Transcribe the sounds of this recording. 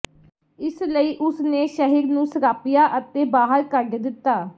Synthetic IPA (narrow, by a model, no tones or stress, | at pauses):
ɪsləiːʔʊsneːʃəɦiːɾnũːsəɾaːpɪjaːʔət̪eːbaːɦəɾkəɖd̪ɪt̪ːaː